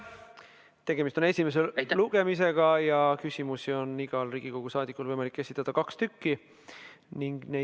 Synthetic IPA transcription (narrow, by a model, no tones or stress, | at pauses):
t̪e̞ɡ̥e̞mist̪o̞ne̞sʲime̞s̬eluɡ̥emis̬e̞ɡ̥ɑjɑkysʲimusio̞nːiɡ̥ɑlriːɡ̥iko̞ɡ̥usɑːd̪ikːˑulvɤjmɑlikːe̞sʲit̪ːˑɑd̪̥ɑkɑkst̪ykːi | niŋɡ̥ne